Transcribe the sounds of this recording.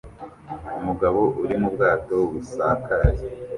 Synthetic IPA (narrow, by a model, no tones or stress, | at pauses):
umuɡaβo̞ʔuɾimubɡaːto̞βusaːkaɾaɾe